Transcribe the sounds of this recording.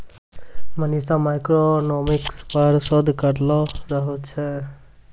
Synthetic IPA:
mənisamajkɾonomikspəɾsɔd̪ʱkəɾlɔɾəɦot͡ʃʰɛ

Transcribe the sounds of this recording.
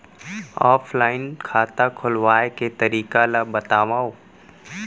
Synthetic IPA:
a̰ːfʰlaːɪnkʰaːt̪akʰʊlʋaːeket̪əɾiːkalabət̪aːʋaːoː

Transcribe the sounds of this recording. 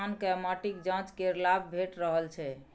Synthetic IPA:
nkɛmaʈikd͡ʒãt͡ʃkeɾlabbʱeʈɾəɦəlt͡ʃʰɛ

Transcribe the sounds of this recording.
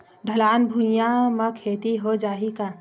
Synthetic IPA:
ɖʱəlaːnbʱujãməkʰeːt̪iɦod͡ʒaːɦika

